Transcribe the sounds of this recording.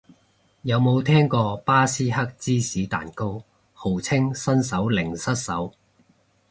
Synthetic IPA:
jɐ˨˧wmo˨˧wt̪ʰɛː˥ŋkɔː˧paː˥siː˥ɦɐ˥k̚t͡siː˥siː˨˥t̪a̰ː˨˩nko˥w | ho˨˩wt͡sʰɪ˥ŋsɐ˥ns̬ɐ˨˥wlɪ˨˩ŋsɐ˥t̚sɐ˨˥w

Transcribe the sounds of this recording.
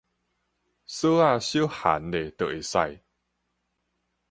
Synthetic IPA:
sə˦a˥˧ɕju˦ha̰˨˦ne˨t̪ə˨ʔe˨˩sa̰˥˧˨j

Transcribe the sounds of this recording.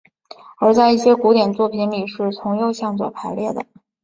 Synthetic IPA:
ə˞˧˥t͡sa˥˧ɪi˥˩ɕjɛ˥ku˧˥t̪jɛ˨˩nt͡swɔ˥˩pʰi˧˥nli˨˩ʂɻ̩˥˩t͡sʰʊ˧˥ŋjo˥˧ʊɕjɑ˥˧ŋt͡swɔ̰˨˩pʰa˧˥ɪljɛ˥˩d̪ə̰˩

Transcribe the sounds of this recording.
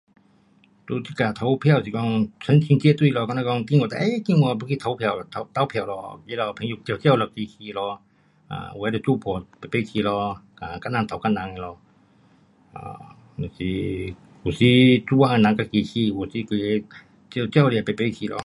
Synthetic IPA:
tu˧t̪ʰi˧˨ka˨˩t̪ʰa˧˦wpʰɛ˧˨wsi˧kɔ˧˨ŋsʰə˧˦nkʰi˧ŋt͡ɕi˧˨t̪u˧i˨lɔ˧ka˧˨na˧ɔ˧ŋt̪i˧ŋɔ˧t̪a˧ʔe˧˦˧ki˧˨ŋwɔ˧bu˧˦kʰi˧t̪ʰa˧˦wpʰɛ˧˨ɔ˧˨t̪ʰa˧t̪a˧˥˨wpʰɛ˧˨wlɔ̰˧ki˧˦˨lɔ˧pʰɛ˧˦ŋju˧k̚t̪i˧˨t͡ɕɛ˥˨wlɔ˧ki˧kʰiː˧˨lɔ˧ | ʔa̰˧a˧˦dɔ˧t͡suː˧˨pʰɔ˨pa˨jpe˧˥˧kʰiː˧˩˨lɔ˧ka˧˨˩ka˧˥˨na˧˨t̪ʰa˨wka˧˥˨na˨˦ŋa˧˨lɔ˧ | a̰˧˩˨ | si˧˦ | ku˨si˧˦t͡su˧waː˧˨˧na˨˧˦ŋka˧˨ki˧˨kʰiː˧hu˨˩si˧˦kɯ˧˨˧ | t͡ɕi˧˨t͡ɕi˧˥˧wli˧˨pa˨˩jpe˧˦˧kʰiː˧˨lɔ̰˧˨

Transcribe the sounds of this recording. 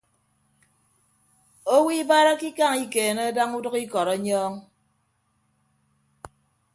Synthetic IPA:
o˦wi˦ba˦ɾa˦ki˦ka˦˨ŋi˦keː˨ne˦da˦ŋu˦dʌ˦ki˦kɔ˨ɾɔ˦ɲɔː˦ŋ

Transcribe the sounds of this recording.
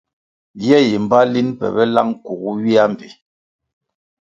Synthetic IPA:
jɛ˦ji˨m̩˨ba˦li˦npɛ̰˨bɛ˦la˦ŋ˦ku˨ɣu˦ɥi˦a˦m˨bḭ˨

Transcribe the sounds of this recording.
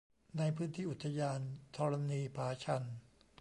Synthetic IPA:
na˧jpʰɯː˦˥nt̪ʰiː˥˩ʔu˨˩t̪ʰːa˧jaː˧nt̪ʰɔː˧ɾa˧niː˧pʰaː˩˦t͡ɕʰa˧n

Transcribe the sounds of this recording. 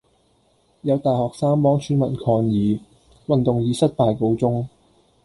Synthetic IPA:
jɐ˨˧wt̪aː˨˩jhɔː˨k̚saː˥ŋpɔː˨˥ŋt͡ʃʰyː˨˥nmɐ˨˩nkʰɔː˧ŋjiː˨˧ | wɐ˨nt̪ʊ˨ŋjiː˨˧˥sɐ˥t̚paː˨jko˧wt͡sʊ˥ŋ

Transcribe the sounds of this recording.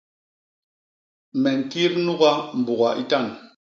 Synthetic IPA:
mɛ˨ŋ̩˨ki˦ɾnu˦ɣa˦m̩˨bu˨ɣa˨ʔi˦ta˦˨n

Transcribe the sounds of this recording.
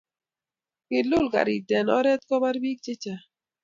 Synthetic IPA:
kɪ˨lʊ˦˨lka̰˨ɾḭ˨dɛ˨nɔ̰˦ɾɛ˦t̪̚kɔ˦ba˦ɾbi˦k̚t͡ʃe˦t͡ʃa˨

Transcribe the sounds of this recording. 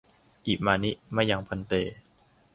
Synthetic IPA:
ʔiː˨˩k̚maː˧ni˦˥ʔma˥˩jːa˧ŋpʰa˧nt̪eː˧

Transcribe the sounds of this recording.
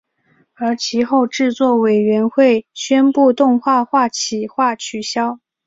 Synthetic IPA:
ə˞˧˥t͡ɕʰi˧˥xo˥˧ʊʈ͡ʂɻ̩˥˧t͡swɔ˥˩we˨˩ɪɥɛ˧˥nxwe˥˩ɪɕɥɛ˥npu˥˧t̪ʊ˥˧ŋxwa˥˧xwa˥˩t͡ɕʰi˨˩xwa˥˩t͡ɕʰy˨˩ɕjɑ˥ʊ

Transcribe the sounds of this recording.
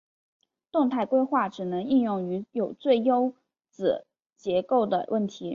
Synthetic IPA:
t̪ʊ˥˧ŋt̪ʰa˥˩ɪkwe˥ɪxwa˥˩ʈ͡ʂɻ̩˨˩nɤ˧˥ŋi˥˧njʊ˥˩ŋy˧˥jo˨˩ʊt͡swe˥˩ɪjo˥ʊ | t͡sɹ̩˨˩ | t͡ɕjɛ˧˥ko˥˩ʊd̪ə̰˩wʔə˥˩nt̪ʰi˧˥

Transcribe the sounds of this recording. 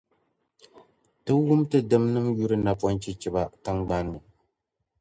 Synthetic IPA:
tɨ˦wʊ˦mtɨ˦dɨ˦mnɨ˦mju˦ɾɨ˦na˨pɔ˦nt͡ʃɛ˦t͡ʃɛ˦ba˦ta˦ŋɡ͡ba˦n˨

